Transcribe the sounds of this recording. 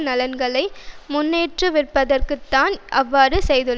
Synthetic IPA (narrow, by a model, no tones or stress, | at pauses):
nɐlɐnɡɐɭɐɪmʊnːeːʈrɯʋɪrpːɐðɐrkɯt̪ːaːnʔɐʋːaːɾɯsɛjðɯɭː